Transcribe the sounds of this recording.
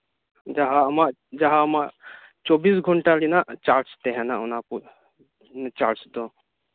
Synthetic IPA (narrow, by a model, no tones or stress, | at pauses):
d͡ʒaɦamaʔ | d͡ʒaɦamaʔ | t͡ʃɔbiːsɡʱɔɳʈalinaʔt͡ʃaːɾst̪ɛɦɛnaʊnapu | t͡ʃaːɾsd̪o